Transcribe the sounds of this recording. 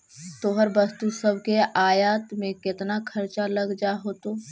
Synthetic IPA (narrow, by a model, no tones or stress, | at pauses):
t̪oːɦəɾbəst̪usəbʱkeʔaːjaːt̪mẽkɪt̪nakʰəɾt͡ʃaləɡd͡ʒaɦoːt̪oː